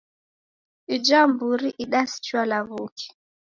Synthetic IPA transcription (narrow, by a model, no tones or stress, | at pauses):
id͡ʒambuɾiʔiɗasi̥t͡ʃwalaβuki̥